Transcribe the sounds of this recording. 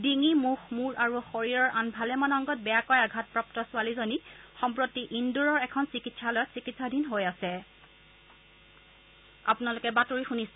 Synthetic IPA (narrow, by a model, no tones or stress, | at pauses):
diŋimuxmuɹaɹuxoɹiɹɔɹʔanbʱalɛmanɔŋɡɔt̚bɛjakɔjaɡʱat̚pɹɔp̚tɔsʊalizonixɔmpɹotːiʔinduɹɔɹɛkʰɔnsikitsalojɔtsikitsadʱinɦojasɛ | a̰pʊnalʊkɛbatoɹixunis